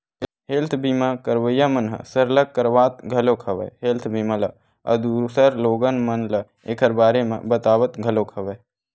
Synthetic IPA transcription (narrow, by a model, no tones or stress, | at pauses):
ɦeːlt̪ʰbiːmaːkəɾʋəjamənɦə̰səɾləkːəɾʋaːt̪̚ɡʱɐlokʰɐʋə̰ɦeːlt̪ʰbʱiːmalɐ | ɐ̰d̪uːɾsəɾloːɡənmənlə | eːkʰəɾbaːɾemḛ̃bət̪aːʋət̪ɡʱəloːkʰɐʋe